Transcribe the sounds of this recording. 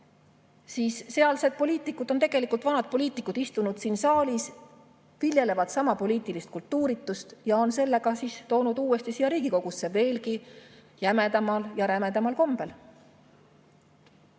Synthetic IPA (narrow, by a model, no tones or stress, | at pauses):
siːsse̞ɑlse̞d̪̚po̞lʲiːt̪ːˑikːud̪̥o̞nt̪e̞ɡ̥e̞likˑult̪vɑnɑd̪̥̚po̞lʲiːt̪ːˑikːˑud̪ist̪unud̪̥siːnsɑːlis | vilje̞le̞vɑd̪̥sɑmɑpo̞liːt̪ːˑilist̪kult̪ːuːɾit̪ːˑust̪jɑo̞nse̞lːe̞ɡɑsiːst̪o̞ːnud̪̥uːe̞st̪isijɑɾiːɡ̥iko̞ɡ̥usːe̞ve̞ːlki | jæme̞d̪ɑmɑljɑɾæme̞d̪ɑmɑlko̞mb̥e̞l